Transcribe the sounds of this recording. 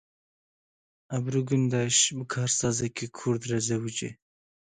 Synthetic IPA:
abɾuɡund̪ɑʃbəkʰɑːɾsɑːzakekʰuɾd̪ɾazawut͡ʃḛ

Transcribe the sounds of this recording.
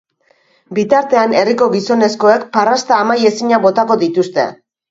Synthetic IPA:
bit̪aɾt̪e̞ane̞riko̞ɣiso̞ne̞sko̞e̞kparast̪aːmaje̞siɲaβo̞t̪ako̞ðit̪ust̪e̞̰

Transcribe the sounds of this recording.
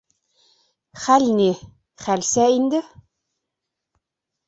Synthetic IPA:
χælʲni | χælʲsæind̪ɘ

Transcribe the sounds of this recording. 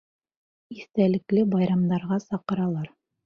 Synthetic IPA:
iθt̪ælɘ̆klɘbɑjɾɑmd̪ɑɾʁɑsɑqɤ̆ɾɑlˠɑɾ

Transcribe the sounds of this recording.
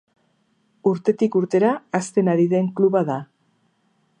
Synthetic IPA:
uɾt̪e̞t̪ikuɾt̪e̞ɾaːst̪e̞naɾiðe̞ŋkluβaða

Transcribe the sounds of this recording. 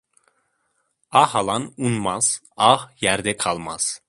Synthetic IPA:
ɑhɑlˠɑnunmɑz̥ | ɑhjæɾd̪ɛkʰɑlˠmɑz̥

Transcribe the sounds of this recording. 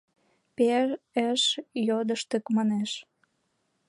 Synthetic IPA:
peɾəʃjod̪əʃt̪ə̆kmɑneʃ

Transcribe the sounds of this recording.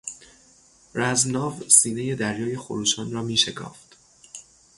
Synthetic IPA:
ɾæzmnɒːvsiːne̞je̞d̪æɾjɒːje̞xoɾuːʃɒːnrɒːmiːʃe̞kʰɒ̰ːft̪

